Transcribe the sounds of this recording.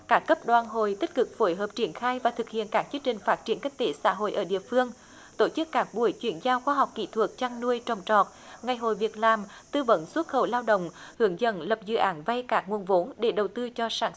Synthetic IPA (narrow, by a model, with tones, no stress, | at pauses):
kaː˦˥kːə˦˥p̚ɗwaː˨˩nɦo˧˨jt̪i˦˥k̟̚kɨ˨˩k̚fo˧˨˦jɦəː˨˩p̚t͡ɕi˧˩ənxaː˧jvaː˨˩t̪ʰɨ˨˩k̚hḭ˧˨ənkaː˦˥k̚t͡ɕi˧əŋt͡ɕï˨˩ŋ̟faː˦˥t̚t͡ɕi˧˩ənka˦˥k̚t̪e˧˩sa̰ː˧˥ɦo̰˧˨jʔəː˧˩ɗḭ˧˨əfɨ˧əŋ | t̪o˧˩t͡ɕɨ˦˥kːaː˦˥k̚ɓu˧˩əjt͡ɕwi˧˩ənzaː˧wxwaː˧ɦa˨˩wk͡p̚kḭ˧˥t̪ʰwə˨˩k̚t͡ɕaː˧ŋnu˧əjt͡ɕə˨˩wŋ͡mt͡ɕɔ˨˩t̚ŋa˨˩jɦo̰˧˨jvi˨˩ət̚laː˨˩mt̪ɨ˧və̰˧˥nswə˦˥t̚xə˧˩wlaː˧wɗə̰˧˨wŋ͡mhɨ˧˩əŋzə̰˧˥nlə˨˩p̚zɨ̰˧˨ʔaː˨˦nva˧jkaː˦˥k̚ŋu˨˩ənvo˨˦nɗe˧˩ɗə˨˩wt̪ɨ˧t͡ɕɔ˧saː˧˩n